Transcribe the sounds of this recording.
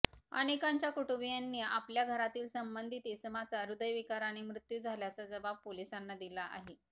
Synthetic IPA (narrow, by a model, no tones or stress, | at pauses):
ə̰nekaɲt͡ɕjakuʈuʋijanːiːapljaɡʱəɾat̪iːlsəmbənd̪ʱit̪esəmat͡saɾud̪əjʋikaɾaɽ̃imɾut̪juːd͡zʱaljat͡sad͡zəbab̚polisanːad̪ilaʔa̰ɦe